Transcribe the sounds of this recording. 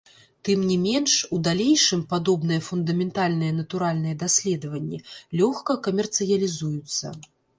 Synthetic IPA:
t̪ɨmnʲimʲɛnʂud̪alʲejʂɨmpad̪ɔbnɨjɐfund̪ɐmʲɛnt̪alʲnɨjɛn̪ɐt̪uɾalʲnɨjɛd̪asʲlʲɛd̪ɐvɐnʲːɛlʲɔxkɐkɐmʲɛrt̪sɨjɐlʲizujut̪sːɐ̰

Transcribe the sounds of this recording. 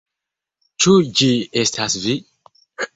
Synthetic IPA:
t͡ʃud͡ʒiest̪ʰasvi

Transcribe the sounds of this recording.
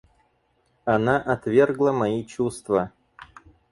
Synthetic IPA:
ɐnaʔɐt̪vʲe̞rɡlˠəmɐit͡ɕust̪və

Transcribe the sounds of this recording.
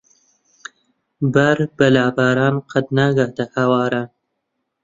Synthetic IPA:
baɾbalɑːbaɾɑnqʰad̪naɡad̪ahawɑːɾan

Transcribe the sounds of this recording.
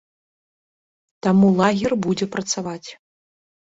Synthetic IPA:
t̪amulˠaɣʲɛrbud͡zʲɛpɾɐt̪savat͡sʲ

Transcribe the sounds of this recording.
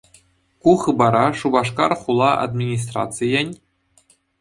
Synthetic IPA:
kuχɯbɑɾɑʂubɑʂ̬kɑrχulˠɑʔa̰d̪mʲinʲis̬t̪ra̰t̪t͡sɨjɘ̆nʲ

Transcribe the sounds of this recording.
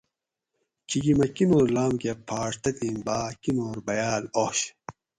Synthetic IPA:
kʰiɡimɐkinuɾlaːmkepʰaːʂt̪ɐt̪iːmbaːkinoːɾbɐjaːloɕ

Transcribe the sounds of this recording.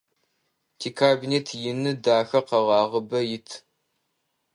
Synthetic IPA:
tʰiːkʰaːbineːtʰjɪnɨdaːxɐqɐʁɑːʁəbɐjɪtʰ

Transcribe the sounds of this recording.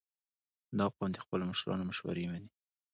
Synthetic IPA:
d̪ɑqwɑnd̪expəloməʃɾɑ̰noməʃwa̰ɾemani

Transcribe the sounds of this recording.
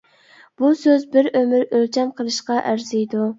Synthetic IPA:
b̥usøzbɪɾømɪɾølt͡ʃʰɛmqʰəlˠɨʃqɑʔæɾzijd̪u

